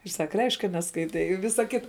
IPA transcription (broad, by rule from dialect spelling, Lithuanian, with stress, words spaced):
ɪr ˈsɐk ˈrʲɛɪʃʲkʲ kɐ nʲɛskɐɪˈtʲɛɪ ɪ ˈʋʲɪsɐ ˈkʲɪtɐ